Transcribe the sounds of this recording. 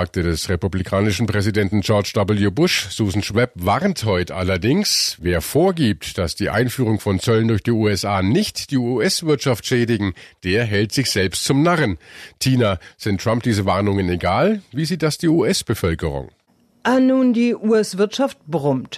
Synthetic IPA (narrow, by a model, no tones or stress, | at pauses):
aːk̚tədɛsʁepublikʰaːnɪʃn̩pʁ̥ɛzidɛntn̩d͡ʒɔɐt͡ʃd̥ɔbl̩jubʊʃz̥uːzn̩ʃv̥ɛpvaʁnthɔʏtəʔa̰lɐdɪŋsveːɐfoːɐɡiːp̚td̥asd̥iːʔa̰ɪnfyːʁ̞ʊŋfɔnt͡sœləndʊɐçd̥iːuːɛsʔaːnɪçtd̥iːuːɛsv̥ɪɐtʃaftʃɛːdɪɡŋ̩d̥eːɐɦɛltz̥ɪçz̥ɛlpstt͡sʊmnaʁəntʰiːnaz̥ɪntːʁ̥amp̚d̥iːzəvaɐnʊŋəneɡaːlviːziːt̚d̥asd̥iːuːʔɛsb̥əfœlkəʁ̞ʊ̰ŋ | ʔanuːndiːʔuːɛsv̥ɪɐtʃaft̚b̥ʁʊmt